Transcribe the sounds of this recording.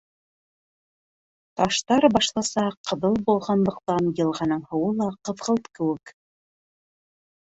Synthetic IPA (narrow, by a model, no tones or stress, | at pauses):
t̪ɑʃt̪ɑɾbɑʃlˠɑsɑqɤ̆ðɤlˠbulˠʁɑnlˠɤ̆q̚t̪ɑnjɤ̆lˠʁɑnɤɴhɤ̆wɤlˠɑqɤ̆ðʁɤlˠt̪kɘ̆wɘk